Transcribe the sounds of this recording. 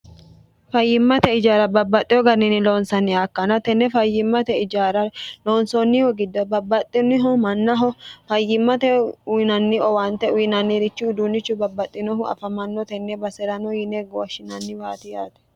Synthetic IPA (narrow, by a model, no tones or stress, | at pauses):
fɐjːɪmːɐt̪ɛɪd͡ʒaːɾɐbɐbːɐt̪ʼːɪjɔɡɐnːɪnɪloːnsɐnːɪaːkːɐnɐt̪ɛnːɛfɐjːɪmːɐt̪ɛɪd͡ʒaːɾɐloːnsɔnːɪhɔɡɪd̪ːɔbɐbːɐt̪ʼːɪnɪɦɔmɐnːɐɦɔfɐjːɪmːɐt̪ɛʊnɐnːɪɔwaːnt̪ɛʊjɪnɐnːɪɾɪt͡ʃːʊːd̪unːɪt͡ʃːʊbɐbːɐt̪ʼːɪnɔɦʊɐ̰fɐmɐnːɔt̪ɛnːɛbɐsɛɾɐnɔjɪneɡoʃɪnɐnːɪwaːt̪ɪjaːt̪ɛ̥